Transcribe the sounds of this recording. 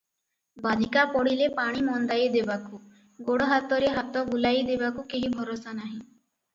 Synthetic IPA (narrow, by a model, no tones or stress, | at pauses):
bad̪ʱikapɔɽilepaɽ̃imɔnd̪ajd̪ebaku | ɡoɽɔɦat̪ɔɾeɦat̪ɔɡulajd̪ebakukeɦibʱɔɾosanaɦĩ